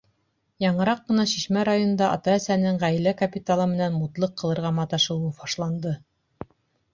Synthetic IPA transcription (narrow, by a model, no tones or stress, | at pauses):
jɑɴɤ̆ɾɑqːɤ̆nɑʃiʃmæɾajonɤnd̪ɑʔɑ̰t̪ɑæsænɘŋʁæjlækɐpʲit̪alˠɤmɘ̆nænmut̪lˠɤqːɤ̆lˠɤ̆ɾʁɑmɑt̪ɑʃɤ̆wɤfɑʃlˠɑnd̪ɤ